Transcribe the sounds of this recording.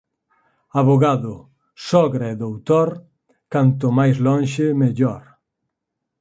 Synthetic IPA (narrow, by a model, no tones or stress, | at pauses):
aβoɣaðʊ | sɔɣɾaeðowt̪oɾ | kant̪ʊmajzlɔnʃɪmeʎɔɾ